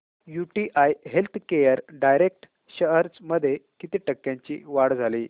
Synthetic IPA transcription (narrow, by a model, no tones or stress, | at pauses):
juʈiʔajɦelt̪ʰkejəɾɖajɾek̚ʈ | ɕəɦəɾt͡sməd̪ʱːjekit̪iːʈəkːjãɲt͡ɕḭːʋaɽd͡zʱaliː